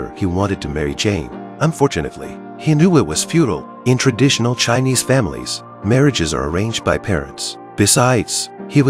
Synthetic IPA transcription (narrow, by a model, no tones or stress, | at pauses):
ə̰˞iwɑ̃ɾ̃ɨd̚tʰɨmɛɹḭd͡ʒẽɪ̃nə̃ɱfɔɹt͡ʃɨnɨ̰tˡlḭ | hinjuɪt̚wʌz̥fjuɾl̩ˠ | ɨ̃ntʰɹ̥ɨdɪʃn̩l̩ˠt͡ʃʰãɪ̃niz̥fæ̃mlḭz̥ | mɛɹɨd͡ʒɨzə̰˞ə̰˞ẽɪ̃nd͡ʒd̚baɪpʰɛ̰ɹɨ̰̃nts | b̥ɨsaɪdz̥hiwʌ